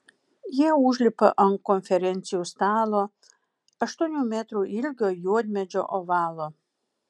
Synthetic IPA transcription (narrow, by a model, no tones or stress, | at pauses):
jeuʒlʲipəʔənkonfʲeɾent̪t͡sijust̪aːlo | ɐʃt̪unʲumʲet̪ɾuʔilʲɡʲɔjod̪ʲmʲed͡ʒɔʔɔvaːlɔ